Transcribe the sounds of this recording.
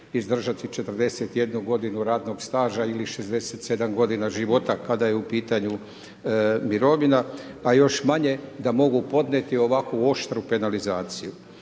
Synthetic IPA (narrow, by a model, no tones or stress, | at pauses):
izd̪r̩ʒat̪it͡ʃe̞t̪r̩d̪e̞set̪je̞d̪nuɡo̞d̪inuɾaːd̪no̞ɡst̪aːʒailiʃezd̪e̞set̪se̞d̪amɡo̞d̪inaʒiʋo̞t̪akad̪ajeupiːt̪aɲu | miɾo̞ʋinaː | jo̞ʃmaɲe̞d̪amo̞ɡupo̞d̪net̪io̞ʋakʋuo̞ʃt̪ɾupe̞nalizaːt̪siju